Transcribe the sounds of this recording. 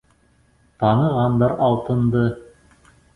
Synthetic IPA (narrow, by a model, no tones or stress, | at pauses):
t̪ɑnɤ̆ʁɑnd̪ɑɾɑlˠt̪ɤ̆nd̪ɤ